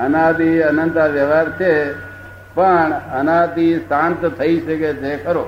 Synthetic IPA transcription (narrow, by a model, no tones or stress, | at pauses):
ənat̪iənənt̪aʋjəʋaɾt͡ʃʰe | pəɳənat̪isãnt̪t̪ʰəiʃəket̪ekəɾo